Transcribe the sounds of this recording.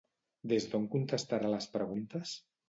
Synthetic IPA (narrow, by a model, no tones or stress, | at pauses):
d̪ezðoŋkunt̪est̪aɾaləspɾəɣunt̪əs